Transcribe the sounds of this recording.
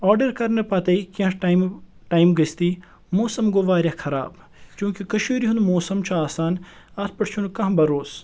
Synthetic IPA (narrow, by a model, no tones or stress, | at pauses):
ɔːɾɖɐɾkɐɾnɐpɐt̪ɐikɐ̃ʈm | ʈaːimɡɐst̪iː | moːsɐmɡoːʋaːɾjɐkʰɐɾa̰ːb | t͡ʃjũːkikɐʃiːɾiɦunmoːsɐmt͡ʃʰuaːsaːn | ɐt̪̚ʰpɐʈt͡ʃʰunkɐ̃ɦbɐɾoːs